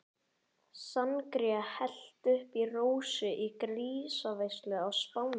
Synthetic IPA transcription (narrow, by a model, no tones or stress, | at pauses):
sankɾiahɛl̥t̪ʏhpiroːwsʏʔikɾiːsavejslʏawspaːwn